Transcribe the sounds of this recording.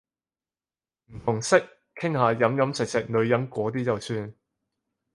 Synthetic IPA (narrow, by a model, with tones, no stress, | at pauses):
m̩˨˩t̪ʰʊ˨˩ŋsɪ˥k̚ | kʰɪ˥ŋhaː˨˧jɐ˨˥mjɐ˨˥mt͡sɪ˨k̚sɛː˨˩k̚lɵ˨˧ɥjɐ˨˥nkʷɔː˨˥t̪iː˥t͡sɐ˨wsyː˧n